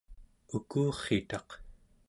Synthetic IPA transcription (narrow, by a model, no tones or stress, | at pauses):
ukuːχet̪ɑq